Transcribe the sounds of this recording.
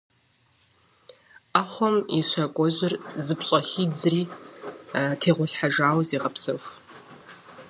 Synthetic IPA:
aχʷɔmḭʃʷɐkʷʼɔʑɪrzɨpɕʼɐxiːd͡zriː | tʰeːʁʷʊɬħaʒaːwziːʁɐpsɐxʷ

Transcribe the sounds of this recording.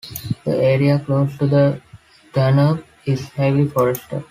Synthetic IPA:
d̪̥ə̰eːɾiakloːsʈud̪ə | ɖʌnəb | ɪzheʋlifɔːɾesʈə̰ɾ

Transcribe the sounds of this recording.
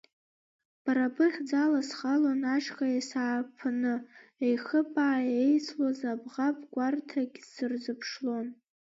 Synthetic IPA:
b̥aɾabʰɨχʲd͡zalasχalonaʃʰkʰajasaːpʰanɨejχəpʼaːejt͡sʰlozabʁapʼɡʷartʰaɡʲsɨrzɨpʰʂlo̞n

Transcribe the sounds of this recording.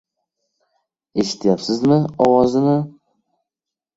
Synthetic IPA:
e̞ʃɪ̥t̪ʰːjapsɪzmɪɒwɒzɪnɪ

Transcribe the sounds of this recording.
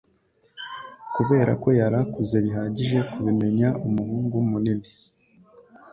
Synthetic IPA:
kuβe̞ːɾa̰ko̞jaɾakuze̞βiɦaːɟiʒe̞kuβime̞ɲaumuhuːŋɡumunini

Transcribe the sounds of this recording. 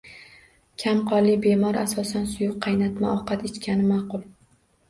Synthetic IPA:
kʲʰamqʰɒɾlɪbe̞mɒɾasɒsansʊjʊqʰːɑjnat̪maʔɒqɑt̪et͡ʃ̪kʲʰanɪmaqʊlˠ

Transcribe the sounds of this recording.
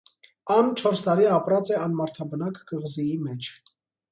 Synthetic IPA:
ɑnt͡ʃʰɔɾst̪ɑɾiɑpɾɑt͡sɛɑnmɑɾt̪ʰɑbənɑkɡəʁzijimɛt͡ʃʰ

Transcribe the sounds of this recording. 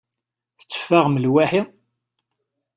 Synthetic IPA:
θt͡sːə̥fːaʁməlwaħi

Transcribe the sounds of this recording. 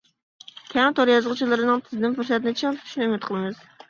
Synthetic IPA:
k̪ʲʰɛŋt̪ʰɑɾjɑzʁət͡ʃʰilˠɨɾɨnɨŋt̪ʰɪzɪd̪ɪnfuɾsɛt̪nɪt͡ʃʰiŋt̪ʰy̥ʃnɨymɪt̪̚qʰəlˠɨmɨz̥

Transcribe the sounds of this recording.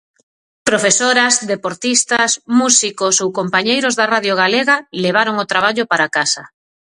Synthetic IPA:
pɾofesoɾɐsd̪ðepoɾt̪ist̪asmusikosowkompaɲejɾozðaraðjoɣ̞aleɣaleβ̞aɾoŋot̪ɾaβaʎopaɾakasɐ

